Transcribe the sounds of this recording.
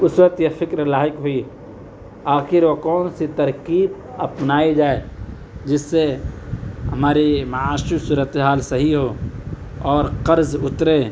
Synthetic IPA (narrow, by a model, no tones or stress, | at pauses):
ʊswət̪jefɪkɾlaːɦɪkɦʊi | aːxɪɾʋokɔːnsit̪ɐɾkiːb | ɐpnaːid͡ʒaːe | d͡ʒɪsːe | ɦɐmaːɾimaaːʃusuːɾət̪eɦaːlsɐɦiɦoː | ɔːɾqɐɾzʊt̪ɾeː